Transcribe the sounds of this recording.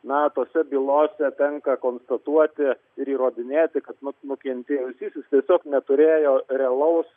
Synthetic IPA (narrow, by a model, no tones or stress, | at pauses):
nɐt̪oːsʲɛbʲiːlˠoːsʲɛt̪ʲɛŋkɐkoːnst̪ɐt̪uɔt̪ʲɪ | ɪɾiːɾoːd̪ʲɪnʲeːt̪ʲɪkɐt̪nʊnʊkʲɛnʲt̪ʲeːjʊsʲiːsʲɪst̪ʲiɛsʲoːknʲɛt̪ʊɾʲeːjoːrʲɛɐlˠɐʊs